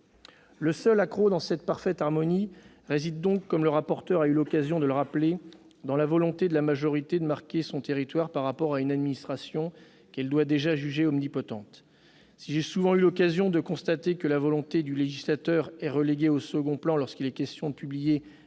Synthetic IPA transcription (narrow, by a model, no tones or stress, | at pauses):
ləsœlakχod̪ɑ̃sɛt̪̚paʁfɛt̪aʁmɔni | ʁezid̪ːɔ̃kːɔmləʁapɔʁt̪œʁaylɔkazjɔ̃d̪ələʁaple | d̪ɑ̃lavɔlɔ̃t̪ed̪əlamaʒɔʁit̪ed̪əmaʁkʲesɔ̃t̪eʁit̪waʁpaʁːapɔʁaynad̪minist̪χasjɔ̃ | kɛld̪wad̪eʒaʒyʒeɔmnipɔt̪ɑ̃t̪ | siʒesuvɑ̃ylɔkazjɔ̃d̪əkɔ̃st̪at̪ekəlavɔlɔ̃t̪ed̪yleʒislat̪œʁɛʁəleɡʲeosəɡɔ̃plɑ̃lɔʁskʲilɛkʲɛst̪jɔ̃d̪əpyblije